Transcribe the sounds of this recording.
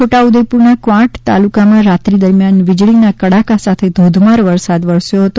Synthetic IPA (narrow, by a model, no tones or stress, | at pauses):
t͡ʃʰoʈaud̪əjpuɾnakʋãʈt̪a̰lukamãɾat̪ɾid̪əɾmjanʋɪd͡ʒɭinakəɽakasat̪ʰed̪ʱod̪ʱmaɾʋəɾsad̪ʋəɾsjoɦət̪o